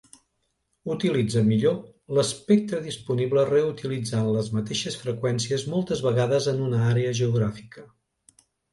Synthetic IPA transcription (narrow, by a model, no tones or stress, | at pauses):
ut̪ilid͡zəmiʎo | ləspɛk̚t̪ɾəðispuniβləreut̪ilid͡zanləzmət̪eʃəsfɾəkwɛnsiəzmɔlˠt̪əzβəɣaðəzənunəaɾeəʒəuɣɾafi̥kə